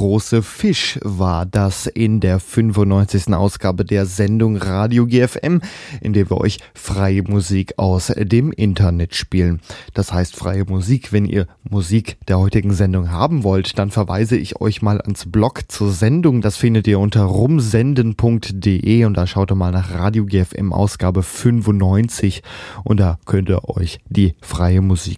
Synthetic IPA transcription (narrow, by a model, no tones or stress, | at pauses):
ʁoːsəfɪʃvaːɐdasɪndeːɐfʏnvʊntnɔʏnt͡sɪçstn̩ʔa̰ʊsɡ̥aːbədeːɐzɛndʊŋʁaːdjoɡeːɛfʔɛ̰mʔɪ̰ndeːɐviːɐʔɔ̰ʏç | fʁ̥aɪəmuziːkʰa̰ʊsd̥eːmʔɪntʰɐnɛtʃpiːlənd̥ashaɪstfʁ̥a̰ɪəmuziːkv̥ɛnḭːɐmuziːkd̥eːɐhɔʏtɪɡŋ̩zɛndʊŋɦaːbm̩vɔltd̥anfɛɐva̰ɪzəɪçɔ̰ʏçmaːlʔa̰nsb̥lɔkt͡suːɐzɛndʊŋd̥asfɪndətiːɐʔʊntɐʁʊmzɛndənpʰʊŋk̚td̥eʔeːʊnt̚d̥aːʃaʊtdɔmaːlnaːχʁaːdjoɡeːɛfʔɛ̰mʔa̰ʊsɡ̥aːbəfʏnfʊntnɔʏnt͡sɪçʔʊnt̚d̥aːkʰœntəʔɔ̰ʏçd̥iːfʁ̥aɪəmuziːk